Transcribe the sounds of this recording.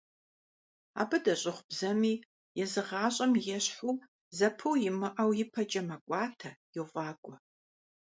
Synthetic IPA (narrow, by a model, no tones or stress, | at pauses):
a̰ːbɨdɐɕʼɪχʷbzɐmiː | jɛzɨʁɑːɕʼɐmjɛɕħu | zɐpʰuwjɪmɨʔɐwjɪpʰɐd͡ʒʼɐmɐkʷʼɑːtʰɐjuvʷɑːkʷʼɔ